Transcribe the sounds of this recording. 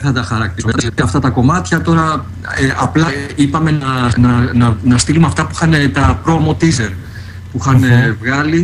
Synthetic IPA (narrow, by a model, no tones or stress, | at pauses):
θɐt̪ɐxɐɾɐk̚t̪iɐt̪iɐft̪ɐt̪ɐko̞mɐt̪çɐt̪o̞ɾɐ | ʔɐplɐipɐme̞nɐnɐnɐnɐst̪ilumɐft̪ɐpuixɐne̞t̪ɐpɾo̞mot̪izeɾ | puxɐnevɣɐli